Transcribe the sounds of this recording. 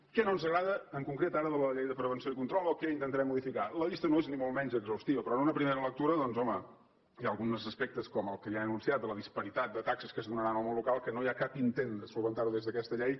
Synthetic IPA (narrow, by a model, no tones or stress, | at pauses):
kɛnonzəɣɾaðəːŋkuŋkɾet̪aɾəðələʎejðəpɾəβənsioikunt̪ɾɔlˠokɛint̪ənt̪əɾɛmːuðifikaləʎist̪ənoeznimolˠmɛɲzəɡzəwst̪iβəpɾɔənunəpɾimeɾələk̚t̪uɾəðɔnzɔmə | jaəlˠɣunzəspɛk̚t̪əskɔməlˠkəjaənunsiat̪d̪ələðispəɾit̪at̪̚d̪ət̪aksəskəzðunəɾanolˠməlːukalˠkənojakapint̪end̪əsulˠβənt̪aɾuðezðəkɛst̪əʎɛj